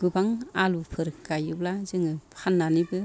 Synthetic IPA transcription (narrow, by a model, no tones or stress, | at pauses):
ɡ̥ubaŋalupʰɯɾɯkɡajublazɯŋɯhʰanːanibɯ